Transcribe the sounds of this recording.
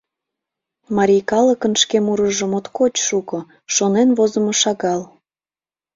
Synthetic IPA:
mɑɾʲijkɑləkənʃkemuɾəʒəmot̪kot͡ɕʃuko | ʃonenβozə̆moʃɑɣɑl

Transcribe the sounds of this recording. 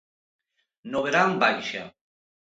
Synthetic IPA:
noβeɾambajʃa

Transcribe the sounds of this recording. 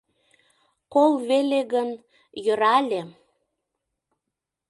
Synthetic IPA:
kolβelʲeɣən | jə̆ɾɑlʲe

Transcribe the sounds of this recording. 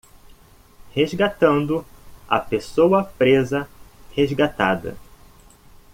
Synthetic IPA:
hezɡat̪ɐ̃nd̪ʊɐ̰pesowɐpɾezɐhezɡat̪a̰d̪ɐ̰

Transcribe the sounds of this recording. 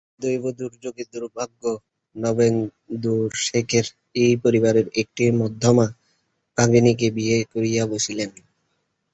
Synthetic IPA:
d̪ojbod̪uɾd͡ʑoɡed̪uɾbʱaɡːo | nɔben | d̪uɾʃekʰeɾ | ejpoɾibaɾeɾek̚ʈimɔd̪ʱːɔma | baɡɾinik̬ebiekoɾijaboʃʰilen

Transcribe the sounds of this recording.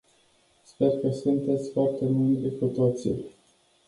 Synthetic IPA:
spe̞rkəsunt̪e̞t̪sʲfoart̪e̞muld̪ekut̪o̞t̪sḭ

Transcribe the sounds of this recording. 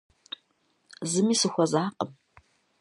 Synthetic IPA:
zɨmiːsɨxʷɔzaːqʼə̰m

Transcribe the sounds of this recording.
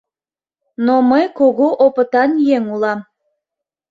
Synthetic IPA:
noməjkoɣoʔopət̪ɑnjeŋulɑm

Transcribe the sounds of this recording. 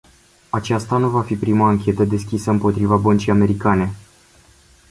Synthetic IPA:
at͡ʃast̪anuvafipɾimaːŋkʲe̞t̪əd̪e̞skʲisəɨmpo̞t̪ɾivabənt͡ʃijame̞ɾikane̞

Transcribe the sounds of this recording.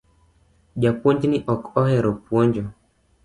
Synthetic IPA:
ʄapwɔɲd͡ʒiniʔɔkɔhɛɾɔpwɔɲd͡ʒɔ

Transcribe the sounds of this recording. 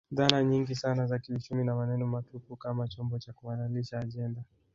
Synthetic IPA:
ðanaɲiŋɡisanazakiut͡ʃuminamanɛnɔmatupukamat͡ʃɔmbɔt͡ʃakuwanaliʃaːʄɛnda

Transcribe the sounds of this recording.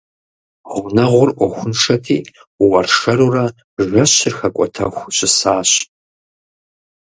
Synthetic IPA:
ʁʷʊnɐʁʷʊrʔʷɔxʷʊnʂɐtʰḭː | wɐrʂɐɾurɐ | ʒʷɐɕɪrxɐkʷʼɔtʰɐxʷɕʼɪsaːɕ

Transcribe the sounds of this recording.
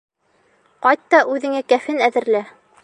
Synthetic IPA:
qɑjt̪ːɑʔʉðɘ̆ŋækæfɘnæðɘ̆ɾlæ

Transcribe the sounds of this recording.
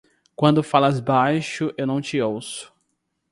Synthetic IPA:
kwɐ̃nd̪ʊfalɐzbajʃʊʔewnɐ̃w̃t͡ʃɪowsʊ̥

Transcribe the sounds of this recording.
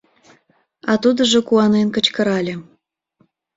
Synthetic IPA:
ɑt̪ud̪ə̆ʒokuɑnenkət͡ɕkə̆ɾɑlʲe

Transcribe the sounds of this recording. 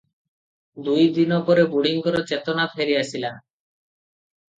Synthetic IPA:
d̪ujd̪inɔpɔɾebuɽiŋkɔɾot͡ʃet̪onapʰeɾiasila

